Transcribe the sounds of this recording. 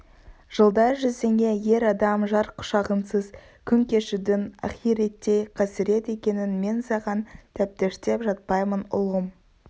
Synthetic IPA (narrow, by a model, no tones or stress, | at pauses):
ʒ̥əlˠd̪ɑɾʒʏze̞ŋɡʲe̞je̞ɾɑd̪ɑmʒɑɾqʰʊ̥ʃɑʁənsəz | kʲʰʏŋkʲe̞ʃɪd̪ɪnɑ̰χijɾet̪ːe̞jqʰɑsɪɾe̞t̪e̞kʲe̞nɪnme̞nsɑʁɑnt̪ʰæp̚t̪eʃt̪e̞pʒɑt̪̚pɑjmənʊ̰lˠʁəm